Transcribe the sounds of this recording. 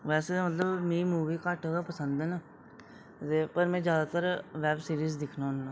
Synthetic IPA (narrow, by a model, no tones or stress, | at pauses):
ʋɛːseːmət̪ləbmẽimuːʋiːkəʈːɡ̪apəsənd̪ɛːnaː | t̪eːpəɾmɛ̃ːd͡ʒjaːd̪aːt̪əɾʋɛːbsiːɾiːzd̪ɪkʰnaːʊnːãː